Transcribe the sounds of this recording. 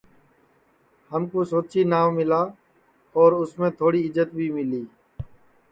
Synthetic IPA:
həmkoːsoːt͡ʃʰiːnaːʋmɪlaː | ɔːɾʊsmẽːt̪ʰoːɽiːɪd͡ʒət̪bʱiːmɪliː

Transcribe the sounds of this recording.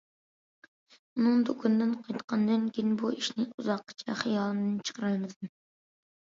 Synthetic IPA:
unɨŋd̪okʰɑnd̪ɨnqʰɑjt̪qʰɑnd̪ɨnkʲʰinbuiʃnɪuzɑqːɨ̥t͡ʃʰɛ̰χijɑːlˠɨnd̪ɨt͡ʃʰə̥qʰəɾɑjmɨd̪ɨm

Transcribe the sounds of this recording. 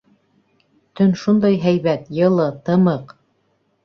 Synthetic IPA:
t̪ɵnʃund̪ɑjɦæjβæt̪jɤ̆lˠɤt̪ɤ̆mɤq

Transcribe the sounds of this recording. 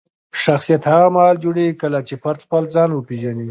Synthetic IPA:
ʃaxsijat̪haɣamaɦɑld͡ʒuɽekəlat͡ʃepaɾt̪xpəlzɑnwəpeʒani

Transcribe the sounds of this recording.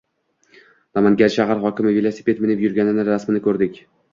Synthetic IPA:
namanɡʲaɾʃaɦaɾχɒkʲɪmɪvelˠosi̥pʰe̞t̪mɪnɪpjʊɾɡʲanɪnɪɾasmɪnɪkʰɵɾd̪ɪkʲ

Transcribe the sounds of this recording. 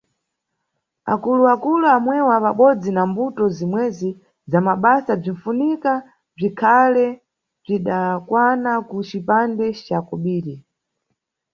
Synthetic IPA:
a̰kuluakuluamwɛwapaɓɔd͡zinambutɔzimwɛzi | zamaɓasab͡ʐiɱ̩funika | b͡ʐikʰalɛ | b͡ʐiɗakwanakut͡ʃipandɛt͡ʃakɔɓiːɾi

